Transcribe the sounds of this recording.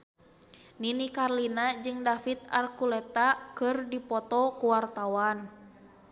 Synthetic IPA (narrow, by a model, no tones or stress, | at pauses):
ninikarlinad͡ʒɨŋdafit̪̚a̰rkulɛt̪akɨrdipɔt̪ɔkuwart̪awan